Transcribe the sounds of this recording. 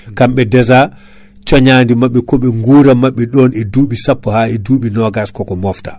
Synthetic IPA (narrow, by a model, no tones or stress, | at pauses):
kamɓɛdɛza | t͡ʃɔɲaːndimaɓːɛkɔɓɛŋɡuːɾamaɓːɛɗɔnɛduːɓisapːɔhaɛduːɓinɔɡaskɔkɔmɔftḁ